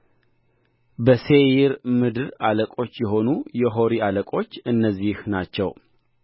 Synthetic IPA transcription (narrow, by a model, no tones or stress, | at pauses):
bəse̞jɪɾmɨd̪ɨɾaləkʼo̞t͡ʃːjɛɦo̞nujɛɦo̞ɾialəkʼo̞t͡ʃːɨnːəzːihnat͡ʃːɛ̰w